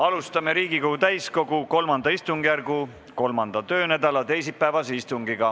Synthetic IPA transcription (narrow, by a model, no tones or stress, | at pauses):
ɑlust̪ɑme̞ɾiːɡiko̞ɡut̪æjsko̞ɡuko̞lmɑnd̪̥ɑist̪uŋɡ̥jærɡu | ko̞lmɑnd̪̥ɑt̪ø̞ːnæd̪̥ɑlɑt̪e̞jsipːæevɑseist̪uŋɡiɡɑ